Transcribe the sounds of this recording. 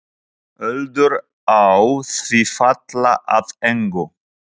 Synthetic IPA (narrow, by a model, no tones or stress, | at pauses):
œld̪ʏɾ | awθvifat̪laʔaðɛŋkʊ